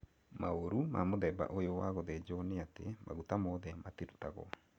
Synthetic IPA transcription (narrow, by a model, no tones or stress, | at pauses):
maoɾuma̰moðɛba̰ʔojowaɣɔðɛd͡ʒɔneatḛma̰ɣutamɔðɛmateɾutaɣɔ̰